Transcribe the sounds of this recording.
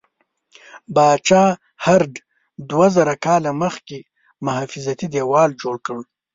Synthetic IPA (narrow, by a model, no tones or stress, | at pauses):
bɑːt͡ʃɑː | haɾɖ | d̪wazaɾakɑːlaməxke | mʊɦɑfɪzat̪id̪ewɑːld͡ʒoɽkəɽ